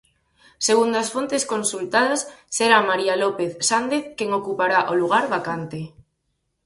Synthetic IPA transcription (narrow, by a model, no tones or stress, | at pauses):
seɣund̪oasfont̪eskonsult̪aðasːeɾamaɾialopeθsand̪eθkeŋokupaɾaʔoluɣ̞aɾβakant̪e